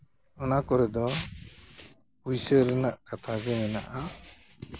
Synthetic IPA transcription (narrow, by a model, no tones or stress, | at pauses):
ɔnakɔɾɛd̪ɔ | pujsəɾɛnaʔkat̪ʰaɡɛmɛna̰ʔa